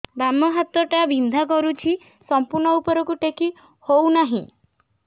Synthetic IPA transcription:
bamɔɦat̪ɔʈabʱind̪ʱakɔɾut͡ʃʰi | sɔmpuɾɳɔupɔɾɔkuʈekʰi | hownaɦḭ̃

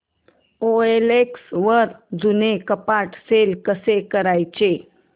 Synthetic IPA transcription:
oeleksʋəɾd͡zunekəpaʈselkəsekəɾajt͡ɕe

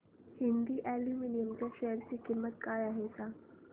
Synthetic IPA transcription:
hɪ̃nd̪iʔɛluminijəmt͡ɕaʃɛɦəɾsikimːət̪̚kaːɾaɦesa

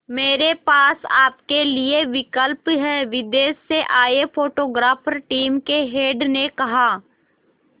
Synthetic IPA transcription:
meːɾepaːsaːpkelieʋɪkəlpɦɛːʋɪd̪eːsːeʔaːepʰoːʈoːɡɾaːfʰəɾʈiːmkeɦeːɖnekɐɦaː

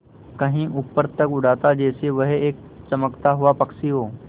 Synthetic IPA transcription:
kəɦĩʔupːəɾt̪əkʊɽ̤at̪ad͡ʑeːseʋəɦeeːk̚ | t͡ʃɐməkt̪aɦuʋapɐksiɦoː

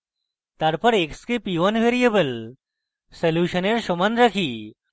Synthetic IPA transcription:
t̪aɾpəɾekskepiʋənʋeɾijebəl | səljuɕəneɾɕomanɾakʰiː

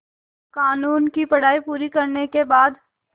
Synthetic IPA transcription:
kaːnuːnkipɐɽ̤aːipuːɾikɐɾnekebaːd̪

